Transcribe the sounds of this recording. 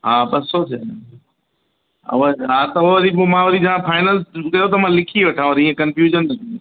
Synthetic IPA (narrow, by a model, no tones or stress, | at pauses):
ɦaːbɐsːoːtʰeː | ʋɐɦat̪ɐʋɐʋɐɾibmãːʋɐɾid͡ʒɐãpʰaːɪnəlkɐjot̪̬ɐmãːlɪkʰiʋɐʈʰãũɾĩːə̃kɐ̃nfjuːd͡ʒənːɐt̪ʰĩ